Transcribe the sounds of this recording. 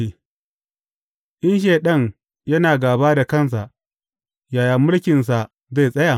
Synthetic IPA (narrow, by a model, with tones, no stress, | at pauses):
i˨ | ʔɪ˦nʃ̬eː˨ɗɐ˦˨ŋ | jɐ˦naː˨ɡaː˨baː˦da˨kɐ˦ns̬a˨ʔ | jaː˨ja˨mːʊ˦lkʲɪ˨ns̬a˨ | za˦˨sʼɐ˦ja˨